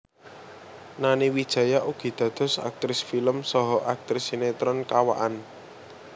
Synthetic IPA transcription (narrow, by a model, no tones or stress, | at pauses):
naniwid̥ʒ̥ä̤jaʔuɡ̥i̤d̪̥ä̤d̪̥ɔ̤sa̰k̚t̪ɾɪsfiləmsɔɦɔʔak̚t̪ɾɪsinet̪ɾɔnkawa̰ʔan